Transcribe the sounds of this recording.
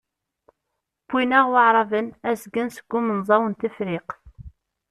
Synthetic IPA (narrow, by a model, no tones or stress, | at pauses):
b̥inæʁwaʕɾˤɑvənæsɡənsə̥ɡ̥ʷːʊmənzˤɑwənt̪əfɾɪq